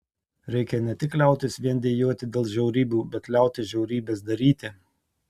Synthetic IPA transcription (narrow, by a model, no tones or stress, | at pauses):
ɾʲɛɪkʲɛnʲɛt̪ʲɪklʲɛˑʊt̪ʲɪsʋʲiɛnd̪ʲeːjoːt̪ʲɪd̪ʲeːlˠʒʲɛʊɾʲiːbʲuːbʲɛt̪lʲæˑʊt̪ʲɪsʒʲɛʊɾʲiːbʲeːs̬d̪ɐɾʲiːt̪ʲɪ